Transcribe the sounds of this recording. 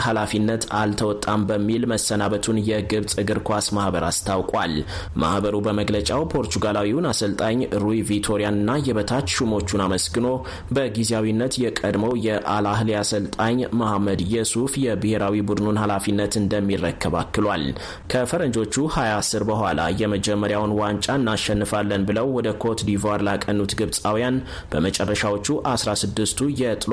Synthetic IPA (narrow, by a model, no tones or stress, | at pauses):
halafinːət̪ʰalt̪ʰəwɔt̪ʼːambəmːilməsːənaβət̪ʰunjɛɡɨβt͡sʼɨɡɨɾkʰʷasmahbəɾast̪ʰawkʼwal | ma̰hbəɾubəməɡlət͡ʃʼawpʰo̞ɾt̪ʰuɡalawiwnasəlt̪ʼaɲɾujvit̪ʰo̞ɾijanɨnːajɛβət̪ʰat̪ʃumo̞t͡ʃːunaməsɡɨno̞ | bəɡizjawinːət̪jɛkʼəd̪məwjɛʔalaɦliasəlt̪ʼaɲmahamːəd̪jɛsufjɛbɨhe̞ɾawibud̪nunhalafinːət̪ɨnd̪əmːirːəkʰːəβa̰kːɨlwal | kʰəfəɾənd͡ʒo̞t͡ʃːuhajasːɨɾbəhʷala̰jɛməd͡ʒɛmːəɾjawnwant͡ʃʼaɨnːaʃɛnːɨfalːənbɨləwwɔd̪əkʰot̪d̪ivaɾlakʼənːut̪ɡɨβsʼawjan | b̥əmət͡ʃʼɛrːəʃawo̞t͡ʃːuʔasɾasɨd̪ːɨst̪ʰujɛt̪ʼl